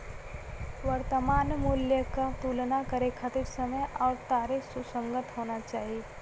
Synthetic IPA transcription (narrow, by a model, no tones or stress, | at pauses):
ʋəɾt̪əmaːnmʊljəkat̪uːlnakəɾekʰat̪ɪɾsəməjɔːɾt̪aːɾesusə̃ŋɡət̪ɦoːnat͡ʃaːɦie